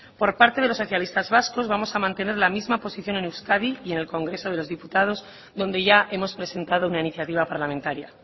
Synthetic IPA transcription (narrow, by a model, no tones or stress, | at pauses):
po̞ɾpaɾt̪e̞ð̞e̞lo̞sːoθjalist̪azβasko̞zβamo̞samãnt̪e̞ne̞ɾlamizmapo̞siθjo̞ne̞newskaðije̞ne̞lko̞ŋɡɾe̞so̞ð̞e̞lo̞zðiput̪að̞o̞z | ðo̞nd̪e̞ʝaʔe̞mo̞spɾese̞nt̪að̞o̞unainiθjat̪iβ̞apaɾlamẽnt̪aɾja